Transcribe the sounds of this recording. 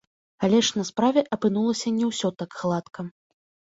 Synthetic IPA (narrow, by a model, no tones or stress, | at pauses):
alʲɛʂnɐspɾavʲɛʔɐpɨnulˠɐsʲɐnʲɛwsʲɔt̪akxlˠat̪kʰɐ